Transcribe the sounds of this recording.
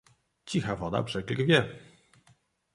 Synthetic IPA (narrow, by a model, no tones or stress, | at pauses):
t͡ɕixavɔd̪a̰pʐ̥ɛɡlʲɡvʲjɛ